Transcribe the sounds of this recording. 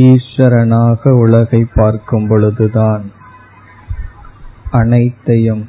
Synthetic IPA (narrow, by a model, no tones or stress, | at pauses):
iːʂʋɐɾɐnaːɣɐʊɭɐɣɐɪpːaːɾkɯmpɔɭɯðɯðaːn | ɐnɐɪt̪ːɐjɯm